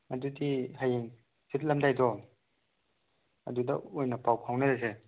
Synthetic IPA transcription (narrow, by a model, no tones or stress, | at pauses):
ɐdudiɦajeŋ | sit̚lɐmdajdɔ | ɐ̰dudɐ̰ojnɐpawpʰawnɐɾese